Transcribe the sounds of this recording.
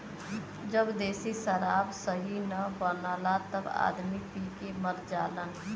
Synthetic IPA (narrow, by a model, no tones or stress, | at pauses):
d͡ʒəbd̪eːsisəɾaːbsəɦinəbəlalat̪əba̰ːd̪mipikeməɾd͡ʒaːlən